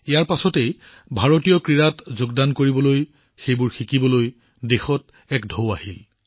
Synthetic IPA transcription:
ijaɹpasɔtej | bʱaɹotijɔkɹiɹatzoɡdankoɹibɔloj | xejbʊɹxikibɔloj | dexɔt | ɛkdʱowahil

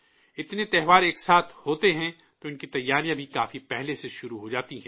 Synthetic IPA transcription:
ɪt̪net̪ɛɦʋaːɾeːksaːt̪ʰhoːt̪eɦɛ̃ | t̪oɪnkit̪ɐjːaːɾijãbʱikaːfipɛɦleseʃʊɾuɦod͡ʒaːt̪iɦɛ̃ː

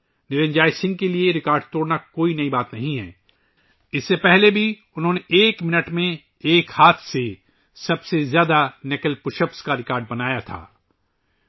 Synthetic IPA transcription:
nɪɾə̃ɲd͡ʒaːisɪ̃ŋɡ̚kelieɾɪkaːɾɖt̪oːɽnakoːinɐibaːt̪nɐɦĩɦɛ̰ː | ɪsːepɛɦlebʱi | ʊnɦõːneʔeːkmɪnəʈmẽ | eːkhaːt̪ʰse | sɐbsezjaːd̪anɪkəlpʊʃəpskaɾɪkaːɾɖ̚bɐnaːjat̪ʰa̰ː

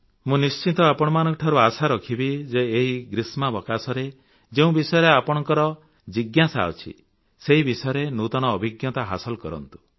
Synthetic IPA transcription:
mũnist͡ʃit̪ɔapɔɽ̃ɔmanɔ̃ŋkɔʈʰɔɾuasaɾɔkʰibid͡ʒeːɦiɡɾismabɔkasɔɾe | d͡ʒeũbisɔjɔɾeapɔɽ̃ɔŋkɔɾɔ | d͡ʒiɡjasa̰ɔt͡ʃʰḭ | seɦibisɔjɔɾenut̪ɔñɔːbʱiɡjɔt̪aɦasɔlkɔɾɔ̰nt̪u̥

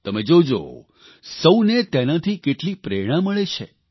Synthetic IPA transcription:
t̪əmed͡ʒod͡ʒo̰ | səwnet̪ɛnãt̪ʰikeʈlipɾeɽ̃ãməɭet͡ʃʰḛ

